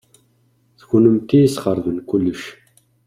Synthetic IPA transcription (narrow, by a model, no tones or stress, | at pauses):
θəʝnəmt̪ijisχəɾˤðənkːulːəʃ